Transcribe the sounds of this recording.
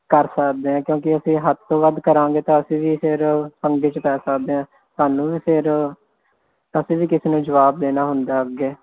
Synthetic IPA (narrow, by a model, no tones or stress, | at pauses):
kəɾsəkd̪eːɦɛ̃ːkjõːkɪəsĩːɦət̪ʰt̪oːʋəd̪kəɾãːŋɡeːt̪ãːəsĩːʋiːpʰɪɾpəŋɡeːt͡ʃpɛːsəkd̪eːãː | saːnũːʋiːpʰɪɾ | əsĩːʋiːkɪseːnũːd͡ʒəʋaːb̚d̪eːnaːɦʊnd̪aːəɡeː